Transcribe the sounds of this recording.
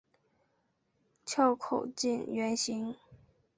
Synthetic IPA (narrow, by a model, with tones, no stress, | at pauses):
t͡ɕʰjɑ˥˧ʊkʰo̰˨˩ʊt͡ɕi˥˩nɥɛ˧˥nɕi˧˥ŋ